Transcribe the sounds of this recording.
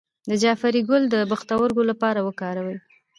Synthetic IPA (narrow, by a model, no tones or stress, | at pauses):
d̪əd͡ʒɑfaɾiɡʊld̪əbaxt̪awəɾɡolapɑɾawəkɑɾawəj